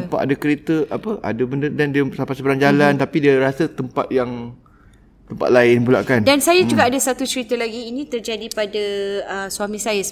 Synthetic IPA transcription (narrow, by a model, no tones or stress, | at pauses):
əmpaa̰dakəɾet̪əʔapəʔa̰dabəndədandiəsampasəbəɾand͡ʒalant̪apidiaɾasət̪əmpa̰t̪̚jaŋ | t̪əmpa̰t̪̚laɪnbula̰ʔkandansajad͡ʒuɡaʔːdasat̪ut͡ʃəɾit̪əlaɡiːnĩt̪ərd͡ʒadipadaəswamĩsajas